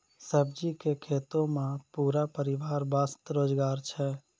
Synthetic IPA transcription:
səb̚d͡ʒikekʰet̪õmẽpuɾapəɾɪʋaɾbast̪ɾod͡ʒɡaːɾt͡ʃʰɛ

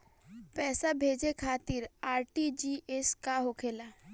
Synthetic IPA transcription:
pɛːsabʱeːd͡ʒekʰaːt̪ɪɾaːɾʈid͡ʒiːʔeskaɦokʰeːlaː

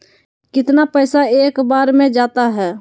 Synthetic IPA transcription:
kɪt̪napɛɪsaeːkbaːɾmẽd͡ʒaːt̪aɦɛː

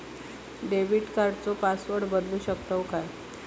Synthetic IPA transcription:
ɖeʋiʈkaɾt͡sopasʋəɽbəd̪luːɕək̚t̪əwkaɾ

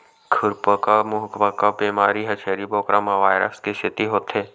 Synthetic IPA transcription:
kʰʊɾpəkamʊɦkʋakabiːmaːɾiɦɐt͡ʃʰeːɾiboːkɾamaʋaːjɾə̰skesʰɪt̪iɦoːt̪eː

